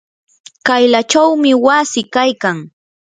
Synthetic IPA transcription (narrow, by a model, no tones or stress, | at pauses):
kajlat͡ʃawmɪwasɪkajkaŋ